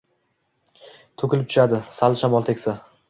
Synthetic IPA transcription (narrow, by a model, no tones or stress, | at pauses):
t̪ʰɵkʲɪlɪp̚t̪ʰʊ̥ʃad̪ɪsalˠʃamɒlˠt̪ʰekʲsa